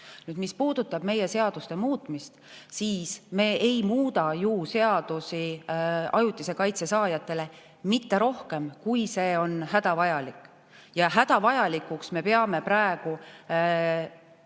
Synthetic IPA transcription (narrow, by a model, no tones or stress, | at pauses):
nyːd̪mispuːd̪ut̪ːˑɑb̥me̞je̞se̞ɑd̪̥ust̪e̞muːt̪mist̪siːsme̞ːʔejmuːd̪ɑjuːse̞ɑd̪̥usi | ɑjut̪ːˑise̞kɑjt̪se̞sɑːjɑt̪ːˑe̞le̞ | mit̪ːe̞ɾo̞hke̞mkujse̞ːo̞nɦæd̪̥ɑvɑjɑlikːˑ | jɑɦæd̪ɑvɑjɑlikˑuksme̞peɑme̞pɾæeɡ̥u